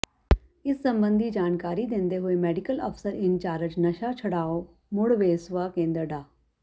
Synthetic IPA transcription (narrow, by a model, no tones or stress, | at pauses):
ɪsːə̃mbə̃nd̪ʱiːd͡ʒaːnkaːɾid̪ẽːnd̪eɦoːemɛːɖɪkələ̰pʰsəɾɪnt͡ʃaːɾət͡ʃnəʃat͡ʃʰəɽaːo | mʊɽʋeːsʋaːkẽːnd̪əɾɖaː